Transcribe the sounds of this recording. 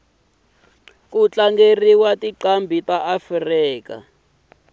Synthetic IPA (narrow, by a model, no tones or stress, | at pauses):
k̬ut͡ɬaŋɡeriwatiǃambʱitaʔafriːka̰